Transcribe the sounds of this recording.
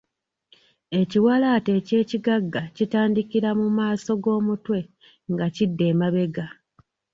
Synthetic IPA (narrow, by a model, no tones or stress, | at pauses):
e̞ciwalaːte̞ce̞ːciɡaɡːacitaːndikiɾamumaːso̞ɡo̞ːmutwe̞ | ŋɡacidːe̞ːmaβe̞ɡa